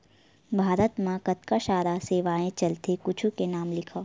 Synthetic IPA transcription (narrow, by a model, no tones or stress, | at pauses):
bʱaːɾət̪mãkɐt̪kaʃaːɾaseːʋaːẽt͡ʃɐlt̪ekʊt͡ʃʰukenaːmlɪkʰaː